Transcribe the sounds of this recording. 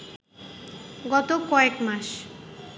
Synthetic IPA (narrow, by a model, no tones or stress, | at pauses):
ɡɔt̪okɔekmaʃ